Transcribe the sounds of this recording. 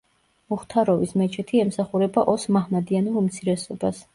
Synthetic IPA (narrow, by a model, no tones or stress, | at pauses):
muχt̪ʰaɾɔvismɛt͡ʃʰɛt̪ʰiɛmsaχuɾɛbaʔɔsmahmad̪ianulumt̪sʰiɾɛsɔbas